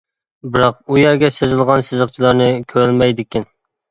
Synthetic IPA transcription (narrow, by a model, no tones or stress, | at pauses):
bɨɾɑq̚ujæɾɡʲɛsøzɪlˠʁɑnsɨzəq̚t͡ʃʰilˠɑɾnɨkʲʰøɾlmɛjd̪ɪkʲɪn